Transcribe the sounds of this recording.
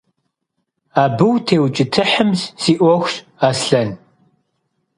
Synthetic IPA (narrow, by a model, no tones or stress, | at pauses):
aːbɨwtʰeːwt͡ʃʼɪtʰɨħəmzsiːʔʷɔxʷɕ | aːsɬɐn